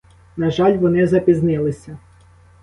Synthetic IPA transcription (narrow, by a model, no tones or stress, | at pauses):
nɐʒɑlʲʋɔnɪzɐpʲiznɪlˠɪsʲɐ